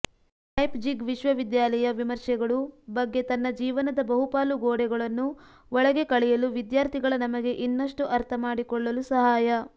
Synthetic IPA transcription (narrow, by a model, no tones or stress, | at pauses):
kɐjpd͡ʒiɡʋiʃʋɐʋid̪jaːlɐjɐʋimɐɾʂɛɡɐɭubɐɡːe̞t̪ɐnːɐd͡ʒiːʋɐnɐd̪ɐbɐɦupaːluɡoːɽɛɡɐɭɐnːu | ʋɔɭɐɡe̞kɐɭɛjɐluʋid̪jaːɾt̪ʰiɡɐɭɐnɐmɐɡe̞ʔinːɐʂʈuʔɐɾt̪ʰɐmaːɽikɔɭːɐlusɐɦaːjɐ